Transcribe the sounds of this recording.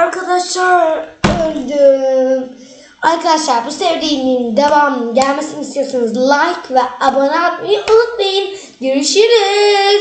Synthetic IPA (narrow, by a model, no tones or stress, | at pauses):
aɾkʰad̪aʃlˠaɾ | aɾkʰad̪aʃlˠaɾbusevd̪iːmind̪avaːmɯɟælʲmesinist̪ʰijosunɯzlˠajkvɛabonat̪mejɯʔolˠɯk̪mejɯn | ɟøɾyʃiɾiz̥